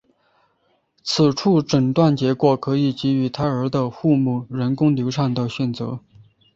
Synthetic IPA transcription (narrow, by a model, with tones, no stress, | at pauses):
t͡sʰɹ̩˨˩ʈ͡ʂʰu˥˩ʈ͡ʂə˨˩ŋt̪wa˥˩nt͡ɕjɛ˧˥kwɔ˨˩kʰɤ˧˥i˨˩t͡ɕi˧˥y˧˥t̪ʰa˥ə˞˧˥d̪ə˧xu˥˧mu˥˩ɻə˧˥nkʊ˥ŋljo˧˥ʊʂʰɑ˥˩ŋd̪ə˨ɕɥɛ˨˩nt͡sɤ̰˧˥